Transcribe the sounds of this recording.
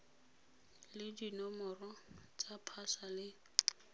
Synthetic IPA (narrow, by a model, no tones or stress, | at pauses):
lɪdinɔmɔrɔt͡sʼapʰasalɪ